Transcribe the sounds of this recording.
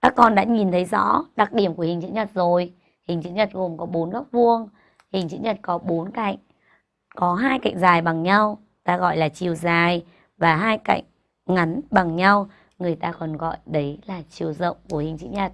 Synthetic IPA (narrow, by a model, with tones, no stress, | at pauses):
kaː˦˥kːɔ˧nɗa̰ː˧˥ɲi˨˩nt̪ʰə˨˦jzɔ̰˧˥ɗa˨˩k̚ɗi˧˩əmku˧˩hï˨˩ŋ̟t͡ɕɨ̰˧˥ɲə˨˩t̚zo˨˩j | hï˨˩ŋ̟t͡ɕɨ̰˧˥ɲə˨˩t̚ɣo˨˩mkɔ˨˦ɓo˨˦nɣaː˦˥k̚vu˧əŋ | hï˨˩ŋ̟t͡ɕɨ̰˧˥ɲə˨˩t̚kɔ˨˦ɓo˨˦nka̰˧˨jŋ̟ | kɔ˨˦ɦaː˧jka̰˧˨jŋ̟zaː˨˩jɓa˨˩ŋɲa˧w | t̪aː˧ɣɔ̰˧˨jlaː˨˩t͡ɕi˨˩əwzaː˨˩j | vaː˨˩ɦaː˧jka̰˧˨jŋ̟ | ŋa˨˦nɓa˨˩ŋɲa˧w | ŋɨ˨˩əjt̪aː˧kɔ˨˩nɣɔ̰˧˨jɗə˨˦jlaː˨˩t͡ɕi˨˩əwzə̰˧˨wŋ͡mku˧˩əhï˨˩ŋ̟t͡ɕɨ̰˧˥ɲə˨˩t̚